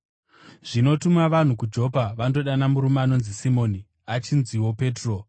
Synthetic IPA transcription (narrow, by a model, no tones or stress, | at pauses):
ʐ̥ino̞tumaʋan̤ukud͡ʒo̞paʋando̞ɗanamuɾumaːno̞nzisimo̞ːni | at͡ʃinziwo̞pe̞ːtro̞